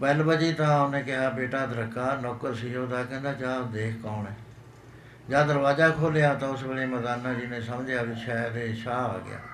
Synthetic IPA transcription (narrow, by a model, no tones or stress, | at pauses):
bɛlbəd͡ʒiːt̪ãːonẽːkɪɦaːbeːʈaːd̪ɾəkːaːnɔːkəɾsiːɦoːd̪aːkɛ̃ːnd̪aːt͡ʃaːd̪eːkʰkaːnɛː | d͡ʒaːd̪əɾbaːzaːkʰoːleaːt̪ãːʊsbeːɽeːməd̪aːnãːd͡ʒɪnẽːsəmd͡ʒjaːbiːʃaːt̪eːʃaːa̰ːɡɪ̰ja̰ː